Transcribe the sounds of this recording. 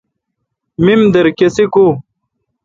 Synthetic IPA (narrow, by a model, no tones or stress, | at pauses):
mimd̪ɐɾkesiku